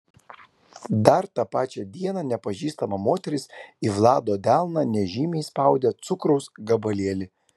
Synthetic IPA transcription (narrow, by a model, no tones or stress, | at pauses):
d̪ɐɾt̪ɑːpɑːt͡ʃʲɛd̪ʲiɛnɑnʲɛpɐʒʲiːst̪ɐmɐmoːt̪ʲɛɾʲɪsiʋlˠɑːd̪oːd̪ʲælˠnɑnʲɛʒʲiːmʲɛɪspɐʊd̪ʲɛːt̪sʊkɾɔʊsɡɐbɐlʲiɛlʲɪ